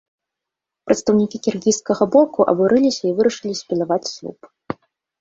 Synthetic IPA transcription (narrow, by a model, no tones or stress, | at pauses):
pɾɐt̪st̪ɐwnʲikʲikʲirɣʲijskɐɣɐbɔkuʔɐ̰buɾɨlʲisʲɐivɨɾɐʂɨlʲisʲpʲɛlavat͡sʲsʲlʲˠṵp